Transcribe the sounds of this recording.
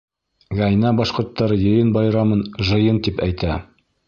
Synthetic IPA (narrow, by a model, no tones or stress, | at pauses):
ʁɑjnɑbɑʃqŏɾt̪ːɑɾɤjɤ̆jɤnbɑjɾɑmɤnʒɤ̆jɤnt̪ipæjt̪æ